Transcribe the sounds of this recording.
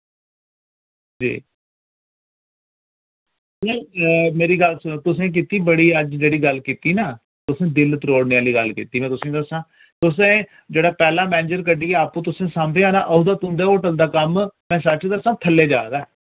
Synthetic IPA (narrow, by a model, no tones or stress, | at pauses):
d͡ʒḭː | mɛ̃ːmeːɾiːɡəlsːt̪ʊs̬ẽːk̬iːt̪iːbəɽiːəd͡ʒd͡ʒeːɽiːɡəlkiːt̪iːnaː | t̪ʊsẽːd̪ɪlt̪ɾoːɽneːaːliːɡəlkḭːt̪iːmɛ̃ːt̪ʊsẽːd̪əsãː | t̪ʊsẽː | d͡ʒeːɽaːpɛːlãːmɛːnɪd͡ʒəɾkəɖiːɛaːpõːt̪ʊsẽːsãːmd̪eːaːnaːʔəuːd̪aːt̪ʊ̃nd̪aːoːʈəld̪aːkəmmɛ̃ːsət͡ʃd̪əsãːt̪ʰəlːeːd͡ʒaːd̪aɛː